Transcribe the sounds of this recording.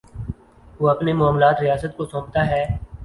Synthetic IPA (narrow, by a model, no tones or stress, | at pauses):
ʋoːɐpnemɔaːmlaːt̪ɾɪjaːsət̪kosõːpt̪aɦɛː